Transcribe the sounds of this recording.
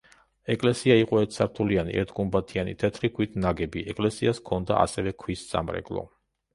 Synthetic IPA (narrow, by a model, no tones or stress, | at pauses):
ɛkʼlɛsiaiqʼɔɛt̪saɾt̪ʰulianḭʔɛ̰ɾt̪ʰɡumbat̪ʰianḭt̪ʰɛt̪ʰɾikʰwit̪ʰnaɡɛbiɛkʼlɛsiaskʰɔnd̪a̰ʔa̰sɛvɛkʰwisz̥ʼa̰mɾɛ̰kʼlˠɔ̰